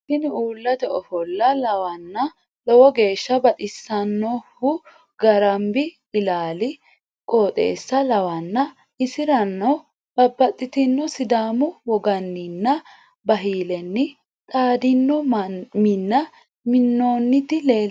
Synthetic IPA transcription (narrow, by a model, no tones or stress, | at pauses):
ʃɪnuːlːɐt̪ɛɔfɔlːɐlɐwɐnːɐ | lɔwɔɡe̞ːʃːɐbɐt̪ʼɪsːɐnːɔhʊ | ɡɐɾɐmbɪ | ɪlaːlɪ | kʼoːt̪ʼḛːsːɐlɐwɐnːɐ | ʔɪsɪɾɐnːɔ | b̥ɐbːɐt̪ʼːɪt̪ɪnːɔsɪd̪aːmʊwɔɡɐnːɪnːɐ | bɐɦiːlɛnːɪ | t̪ʼaːd̪ɪnːɔmɪnːɐ | mɪnːoːnːɪt̪ɪle̞ː